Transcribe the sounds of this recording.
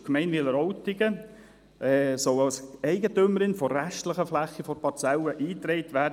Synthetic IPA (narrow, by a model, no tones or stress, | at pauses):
kmɛɪnʋɪləɾɔwtɪɡə | ʔɛːsɔwɑlsɛɪɡətʏməɾɪnfɔɾæʃtləχəflæχːifɔɾpɑɾt͡sɛləʔiːt̪ɾɛɪtʋæːd